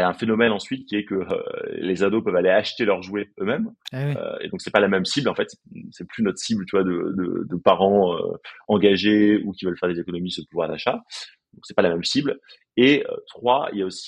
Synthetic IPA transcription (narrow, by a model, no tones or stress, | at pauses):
aɛ̃fenɔmɛnɑ̃sɥit̪kʲiɛkəø̰lezad̪opœvaleaʃt̪elœʁʒweømɛmø̰ḛd̪ɔ̃ksɛpalamɛmsiblɑ̃fɛt̪sɛsɛplynɔt̪χsiblt̪yvwad̪ə̰d̪ə̰d̪əpaʁɑ̃ø̰ɑ̃ɡaʒeukʲivœlfɛʁd̪ezekɔnɔmisuəpuvwaʁd̪aʃa | d̪ɔ̃ksɛ̥palamɛmsibl | eø̰t̪χwaḭljaosi̥